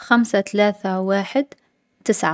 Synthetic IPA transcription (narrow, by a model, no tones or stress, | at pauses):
xamsat̪alaːθawaːħɪd̪ | t̪ɪsʕa